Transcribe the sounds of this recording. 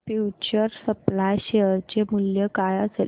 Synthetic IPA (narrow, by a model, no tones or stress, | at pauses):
fjut͡ɕəɾsəplajɕeəɾt͡ɕemuljəkajəs